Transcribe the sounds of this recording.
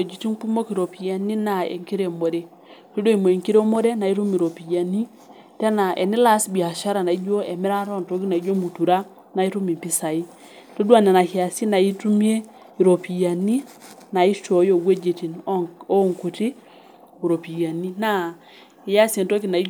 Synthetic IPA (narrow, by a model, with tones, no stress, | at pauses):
e˨d͡ʒi˨ti˦npu˦mo˦ki˨ɾo˨pi˨ja˨ni˦na˨ḛ˨ŋki˦ɾe˦˨mo˨ɾe˦ | to˦do˦i˨mo˨e˨ŋki˦ɾe˦mo˦ɾe˦na˨i˦ɾu˦mi˨ɾo˨pi˨ja˨ni˦ | te˦na˨ʔɛ˨ni˦la˦sbi˨a˨ʃa˦ɾa˨na˨i˦d͡ʒo˦ɛ˨mɛ˦ɾa˦ɾɔ˦nto˦ki˦na˨i˦d͡ʒo˦mu˨tu˨ɾa˦ | na˨i˦tu˦mi˨mpi˦sa˨i˦ | to˦du˦a˦˨na˨na˨hi˨a˨si˦na˨i˦tu˦mi˦e˦ | i˨ɾo˨pi˨ja˨ni˦na˨i˦ʃo˨˦jo˦˨ɡwe˦d͡ʒe˨ti˨no˦˨ŋku˨ti˦ | u˨ɾo˨pi˨ja˨ni˦na˦ | i˨ja˦se˨nto˦ki˨na˨i˦